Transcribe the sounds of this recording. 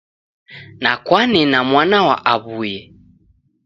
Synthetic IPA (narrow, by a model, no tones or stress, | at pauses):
nakwanɛnamwanawa̰ʔaβujɛ